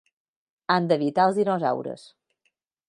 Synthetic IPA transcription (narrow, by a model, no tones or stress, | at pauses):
and̪əβit̪alˠzðinɔza̰wɾə̰s